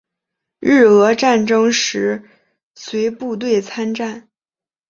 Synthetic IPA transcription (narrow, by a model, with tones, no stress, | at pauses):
ɻ̩˥˩ɤ˧˥ʈ͡ʂa˥˩nʈ͡ʂɤ˥ŋʂɻ̩˧˥ | swe˧˥ɪpu˥˧t̪̬we˥˩ɪt͡sʰa˥nʈ͡ʂa˥˩n